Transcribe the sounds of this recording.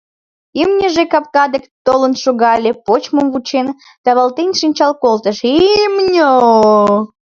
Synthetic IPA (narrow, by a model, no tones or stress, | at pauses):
imnʲəʒekɑp̚kɑd̪ekt̪olənʃoɣɑlʲepot͡ɕməmvut͡ɕen | t̪ɑβɑlt̪enʲʃɨnʲt͡ɕɑlkolt̪əʃimnʲo